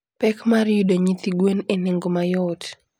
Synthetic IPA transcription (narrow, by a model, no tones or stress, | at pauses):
pɛkmaɾjudoɲit̪iɡweneneŋɡomajɔt